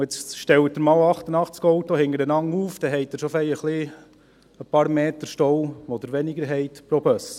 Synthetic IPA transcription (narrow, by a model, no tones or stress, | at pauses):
jɛt͡sʃtɛwətdəɾmɑːlɑχtənɑχt͡skɔwtɔhɪŋəɾənɑŋuːfd̥ɛɦɛɪt̚dəɾʃɔfɛɪəχli | əpɑːɾmeːtəɾʃtɔwɔd̪əɾʋɛnɪɡəɾɦɛɪtpɾɔbœs